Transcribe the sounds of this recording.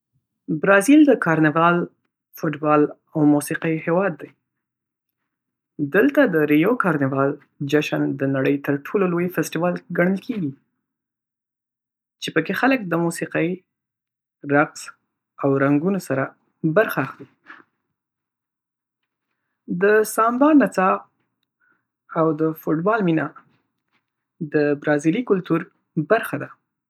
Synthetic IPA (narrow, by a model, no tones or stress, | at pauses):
bɾɑzild̪əkɑɾnɪvɑl | fʊʈbɑl | awmusiqəjhewɑd̪ːaj | d̪əlt̪ad̪əɾijokɑɾnɪvɑl | d͡ʒaʃand̪ənaɽəjt̪əɾʈʰololojfɪsʈiwɑlɡaɳ̃əlkʰeɡi | t͡ʃepəkexalək̚d̪əmusiqəj | ɾaqs | awɾaŋɡunosaɾa | baɾxaːxli | d̪əsɑmb̪ɑnːat͡sɑ | awd̪əfoʈbɑlmina | d̪əbɾɑzilikʊlt̪uɾ | baɾxad̪a